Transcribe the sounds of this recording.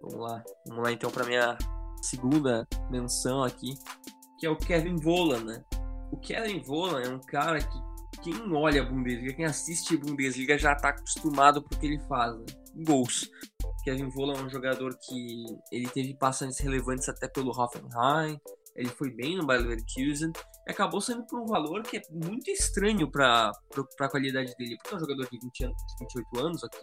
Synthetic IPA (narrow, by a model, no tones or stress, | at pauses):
vɐ̰̃mʊ̰lavɐ̰̃mʊlaẽnt̪ɐ̃w̃pɾɐmĩɲɐsɪɡũnd̪ɐmẽsɐ̃w̃akʰi | kɪɛʊkɛvẽvolɐ̃nɛʊkʰɛvĩvolɐ̃ɛũkaɾɐkɪkẽj̃ɔʎɐabũd̪ezliɡɐkẽj̃asist͡ʃɪbũd̪ezliɡɐʒat̪aːkʊ̥st̪umad̪ʊpʊɾkɪelɪfaznɛ | ũɡowskɛvẽvolɐɛũʒoɡad̪oɾkʰɪelɪt̪evɪpasɐ̃ʒ̃t̪ɪshelevɐ̃nt͡ʃ̪ɪ̥z̥at̪ɛpelʊɦɔfẽnhaj̃ | elɪfojbẽj̃nʊbaɾlveɾkʰizẽnɪakabosẽnd̪ʊpoɾũvaloɾkɪɛmũj̃t̪ʊɪst̪ɾɐ̃ɲʊpɾɐpɾʊpɾakwalid̪ad͡ʒɪd̪elɪpʊɾkɛ̃ũʒoɡad̪oɾd͡ʒɪvĩnt͡ʃɪɐnd͡ʒɪvĩnt͡ʃɪojt̪ʊɐ̃nʊzaki̥